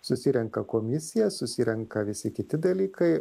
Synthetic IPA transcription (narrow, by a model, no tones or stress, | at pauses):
sʊsʲɪɾʲɛŋkɐkoːmʲɪsʲɪjɛsʊsʲɪɾʲɛŋkɐʋʲɪsʲɪkʲɪt̪ʲɪd̪ɐlʲiːkɐɪ